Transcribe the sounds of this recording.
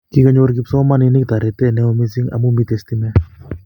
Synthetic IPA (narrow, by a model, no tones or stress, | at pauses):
kikəɲoɾk̬ip̚sɔmaninik̚d̪aɾɛt̪enɛɔmis̬iŋa̰mumit̪est̪imɛ